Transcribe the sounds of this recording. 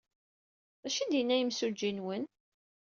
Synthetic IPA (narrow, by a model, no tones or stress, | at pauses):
ðæʃind̪jənːæjəmsud͡ʒːinwən